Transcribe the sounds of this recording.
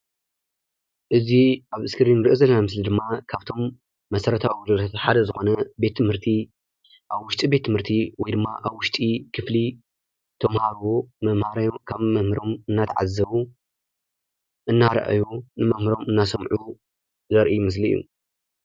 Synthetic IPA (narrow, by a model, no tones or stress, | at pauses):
ʔɨziʔaβɨskʰɨɾinɾiʔozɐlːɐnamɨs̬lid̪ɨmːakʰaβt̪ʰo̞mː | ɐsɐɾɐt̪ʰawiɡud̪lʰat̪ħad̪ɐzɨxo̞nɐbe̞t̪ʰːɨmhɨɾt̪ʰi | ʔaβwʊʃt̪ʼibe̞t̪ʰːɨmhɨɾt̪ʰiwɔjd̪ɨmːaʔaβwʊʃt̪ʼikʰɨfli | t̪ʰɐmhaɾwomɐmhaɾjokʰaβmɐmɨɾo̞mɨnːat̪ʰɐʕa̰zɐβu | ʔɨnːaɾɐ̰ʔa̰junɨmɐmhɨɾo̞mɨnːasɐmʕu | zɐɾʔijmɨs̬lḭjːṵ